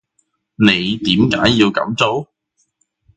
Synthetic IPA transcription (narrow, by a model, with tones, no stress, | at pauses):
ne˨˧jt̪iː˨˥mkaː˨˥jːiː˧wkɐ̰˨˥mt͡so˥w